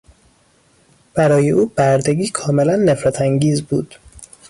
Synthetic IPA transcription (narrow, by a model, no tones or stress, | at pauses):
b̥æɾɒːje̞ʔuːb̥æɾd̪eɡiːkʰɒːme̞lænːe̞fɾæt̪ʰæŋɟiːzbuːd̪̥